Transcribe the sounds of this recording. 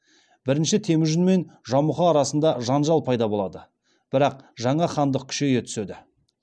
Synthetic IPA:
bɪɾɪnʃɪt̪ʰe̞mɪʒʏnme̞nʒɑmʊχɑːɾɑsənd̪ɑʒɑnʒɑlˠpʰɑjd̪ɑbo̞lˠɑd̪ə | b̥ɪɾɑq̚ʒɑɴɑχɑnd̪əq̚kʲʰʏ̥ʃe̞je̞t̪ʰʏ̥se̞d̪ɪ

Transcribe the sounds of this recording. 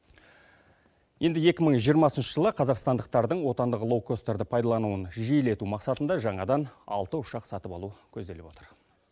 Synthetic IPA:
je̞nd̪ɪje̞kʲɪməɴʒijəɾmɑsənʃəʒəlˠəqʰɑzɑqst̪ɑnd̪əq̚t̪ɑɾd̪əɴwo̞t̪ɑnd̪əʁlˠokːost̪eɾd̪əpʰɑjd̪ɑlˠɑnuənʒijle̞t̪umɑqsɑt̪ənd̪ɑʒɑɴɑd̪ɑnɑ̰lˠt̪əʊʃɑqsɑt̪əpɑlˠukʲʰɵzd̪e̞lɪbwo̞t̪əɾ

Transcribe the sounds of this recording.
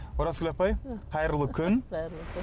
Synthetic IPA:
ʊɾaskʲlʲapɑjqʰɑjəɾlˠəkʲʰʏn

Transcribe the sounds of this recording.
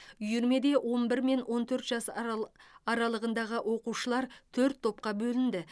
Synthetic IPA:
ʏjʏɾme̞d̪e̞wʔo̞nbɪɾme̞nwʔo̞nt̪ʰɵɾt̪ʒ̥ɑs | ɑɾɑlˠəʁənd̪ɑʁəwʔo̞quʃəlˠɑɾt̪ʰɵɾt̪ʰːo̞p̚qɑbɵlɪnd̪ɪ

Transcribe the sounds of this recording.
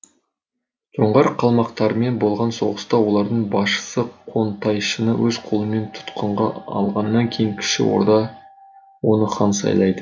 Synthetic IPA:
ʒoɴʁɑɾqʰɑlˠmɑqt̪ɑɾəme̞nbo̞lˠʁɑnso̞ʁəst̪ɑwo̞lˠɑɾd̪əɴbɑʃə̥səqʰo̞nt̪ɑjʃənəwʔɵzqʰolˠəme̞nt̪ʰʊ̥t̪qəɴʁɑ̰ɑ̰lˠʁɑnːɑŋkʲʰe̞jiŋkʲʰɪ̥ʃɪ̰wo̞̰ɾd̪ɑ | wo̞nəχɑnsɑ̰jlˠɑjd̪ə

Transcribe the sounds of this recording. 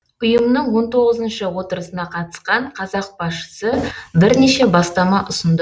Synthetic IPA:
ʊjəmnəɴwo̞nt̪ʰo̞ʁəzənʃəwo̞t̪əɾəsənɑqʰɑt̪ə̥sqɑɴqʰɑzɑq̚b̥ɑsʃə̥səbɪɾneʃe̞bɑst̪ɑmɑʔʊsənd̪ə

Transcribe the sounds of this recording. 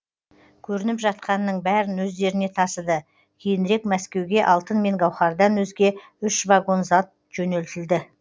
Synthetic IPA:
kʲʰɵɾɪnɪpʒɑt̪̚qɑnːəɴbæɾɪnwɵzd̪e̞ɾɪne̞t̪ʰɑsəd̪ə | kʲʰe̞jɪnɾe̞kmæskʲe̞wɡʲe̞ʔɑlˠt̪ənme̞ŋɡɑwχɑɾd̪ɑnwɵzɡʲe̞ | ʏʃvaɡo̞nzɑt̪̚ | ʒ̥ɵne̞lt̪ɪld̪ɪ

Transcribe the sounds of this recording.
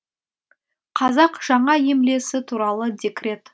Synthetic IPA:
qʰɑzɑqʒ̥ɑɴɑje̞mle̞sɪt̪ʰuɾɑlˠəd̪ʲekʲre̞t̪

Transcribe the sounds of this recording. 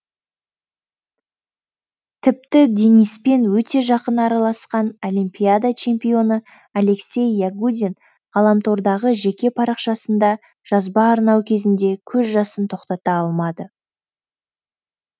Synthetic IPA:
t̪ʰɪp̚t̪ɪd̪ʲe̞nijspe̞nwɵt̪e̞ʒɑqənɑɾɑlˠɑsqɑnolimpʲijad̪at͡ʃʰe̞mpio̞nə | ale̞ksʲe̞jːaɡud̪ʲin | ʁɑlˠɑmt̪ʰo̞ɾd̪ɑʁəʒe̞kʲe̞pʰɑɾɑqʃɑsənd̪ɑ | ʒ̥ɑzbɑːɾnɑwkʲʰe̞zɪnd̪e̞kʲʰɵzʒɑsənt̪ʰo̞qt̪ɑt̪ɑɑlˠmɑd̪ə

